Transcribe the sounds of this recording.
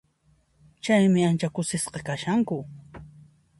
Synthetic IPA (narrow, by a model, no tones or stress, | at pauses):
t͡ʃajmɪant͡ʃakʊsɪsqɑkaʃaŋkʊ